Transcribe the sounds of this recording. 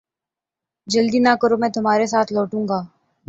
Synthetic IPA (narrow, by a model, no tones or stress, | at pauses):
d͡ʒɐld̪inaːkəɾomɛ̃ːt̪ʊmɦaːɾesaːt̪ʰlɔːʈũːŋɡaː